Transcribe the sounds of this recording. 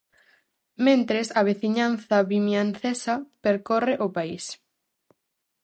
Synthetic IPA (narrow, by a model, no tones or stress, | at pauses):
mẽnt̪ɾesɐβ̞eθiɲanθɐβimjanθesɐpeɾkɔreʔopais